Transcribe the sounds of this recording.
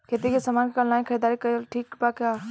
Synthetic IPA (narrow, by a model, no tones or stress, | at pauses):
kʰeːt̪ikesɐmaːnkəlnaːĩkʰəɾid̪aːɾikəjoʈʰiːkbakaː